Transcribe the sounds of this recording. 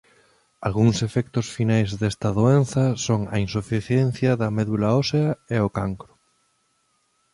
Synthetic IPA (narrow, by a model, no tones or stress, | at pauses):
alɣuŋsefɛkt̪ʊsfinajzðest̪ɐðoen̟θɐsoŋɐ̰insufiθjɛn̟θjɐðɐmɛðulaoseɐeokaŋkɾʊ